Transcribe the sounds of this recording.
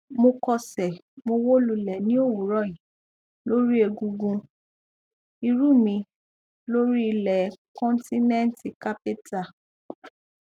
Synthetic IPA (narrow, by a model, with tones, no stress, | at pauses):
mo˧kɔ˧sɛ˨ | mo˧wo˦lu˧lɛ˨nĩ˦o˦˨wu˨ɾɔ˦˨ĩ˨ | lo˦ɾi˦e˧ɡũ˧ɡũ˧ | i˧ɾu˦˨mĩ˧ | lo˦ɾi˦i˧lɛ˨˦kɔ̃˦n˦ti˦nɛ̃˦n˦ti˨ka˦pi˦ta˧˨